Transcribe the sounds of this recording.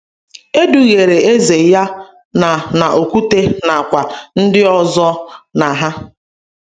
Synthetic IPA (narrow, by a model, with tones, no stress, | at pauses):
e˦du˨ɣe˨ɾe˨e˦ze˨ja˦ | na˨na˨ʔo˨kʷu˦te˦na˨kʷa˨n̩˦dɪ˦ɔ˦zɔ˦na˨ɦa˦